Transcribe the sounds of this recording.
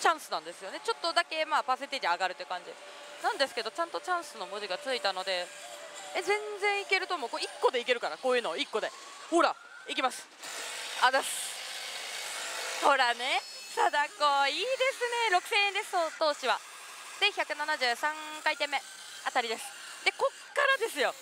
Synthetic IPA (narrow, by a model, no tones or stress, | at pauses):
t͡ɕãɰ̃sɨnãnd̪e̞sɨjo̞ne̞t͡ɕo̞t̪ːo̞d̪ake̞maːpaset̪ed͡ʑiaɡaɾɯ̟t̪ːekãɲ̟d͡ʑi | nãnd̪e̞sɨ̥ke̞d̪o̞t͡ɕãnt̪o̞t͡ɕãɰ̃sɨno̞moʑiɡat͡sɨit̪ano̞d̪e̞ | ezẽ̞nd͡zẽ̞ɰ̃ike̞ɾɯ̟t̪o̞mokoikːo̞d̪e̞ike̞ɾɯ̟kaɾakoːjɯ̟ːnoikːo̞d̪e̞ | hoːɾa | ik̬ʲimasɨ̥ | ad̪asɨ̥ | so̞ɾane̞ | sad̪akoːiːd̪e̞sɨne̞ɾo̞kɯ̟̥sẽ̞ːẽnd̪e̞sɨ̥oːt̪o̞ːɕiβa | sẽ̞ɰ̃çakɯ̟nanaʑɨːsãŋkait̪ẽ̞mːe̞ | at̪aɾʲid̪e̞sɨ̥ | d̪̥e̞ko̞kːaɾad̪e̞sɨjo̞